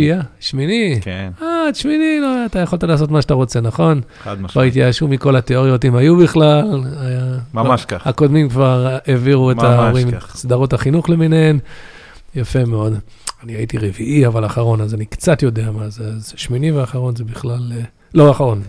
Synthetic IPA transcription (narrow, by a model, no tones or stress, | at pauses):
iaʃminikenatʃminiloat̪ajaχoltalaːso̞t̪maʃeat̪aʁo̞t͡se̞naχo̞n | advaʁit̪̬jaʃumiko̞lat̪eo̞ʁjo̞t̪imajubiχlalaja | hako̞d̪mimkvaʁeviʁuetaoʁimsd̪aʁotaχinuχlemineem | jafe̞meo̞d̪ | anihait̪iʁeviʔiavalaχaʁo̞nazanikt͡sat̪jo̞de̞amazeazʃminiveaχaʁo̞nzebiχlal | lo̞aχaʁo̞n